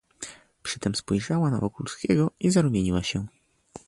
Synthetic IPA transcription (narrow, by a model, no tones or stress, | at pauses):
pʂɘt̪ɛmspɔjʐawana̰vɔkulskʲɛɡɔizaɾumʲjeɲiwaɕɛ